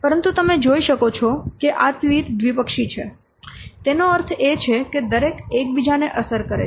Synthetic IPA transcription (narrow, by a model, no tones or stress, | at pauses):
pəɾənt̪ut̪əmed͡ʒoiʃəkot͡ʃʰɔkeʔat̪ʋiʈd̪ʋipəkʃit͡ʃʰe | t̪enoəɾt̪ʰet͡ʃʰeked̪əɾekek̚bid͡ʒaneʔəsəɾkəɾḛ